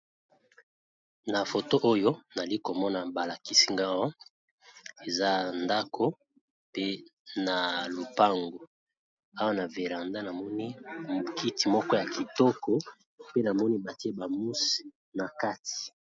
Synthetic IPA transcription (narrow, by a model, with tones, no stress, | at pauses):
na˨fo˨to˦ʔo˦jo˦na˨li˦ko˨mɔ˦na˨ba˨la˨ki˦si˦ŋɡa˦wa˦ | e˨za˦nda˦kʰo˦ | pe˦na˨lo˨pa˦ŋɡo˨ | a˦wa˦na˨ve˨la˨nda˦na˨mɔ˦ni˦mo˨ki˦ti˨mɔ˦kɔ˦ja˨ki˨tɔ˦kɔ˦ | pe˦na˨mɔ˦ni˦ba˨ti˦e˦ba˨mu˦si̥˨ | na˨ka˦ti̥˨